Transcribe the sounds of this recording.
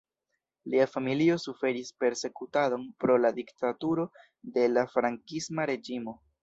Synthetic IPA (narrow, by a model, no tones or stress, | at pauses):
liafamilio̞sufe̞ɾispe̞ɾse̞kutado̞npɾo̞ladiktatuɾo̞ | de̞lafɾaŋkismaɾe̞d͡ʒimo̞